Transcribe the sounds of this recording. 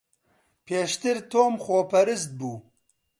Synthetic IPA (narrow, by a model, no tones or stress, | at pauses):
pʰeːʃt̪ɨɾt̪ʰoːmxʷoːpɛɾɨst̪̚buː